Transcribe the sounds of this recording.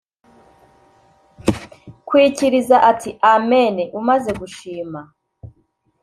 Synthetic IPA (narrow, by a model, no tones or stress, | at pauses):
kwiciɾizaʔatʰiʔame̞neʔumaze̞ɡuʃiːma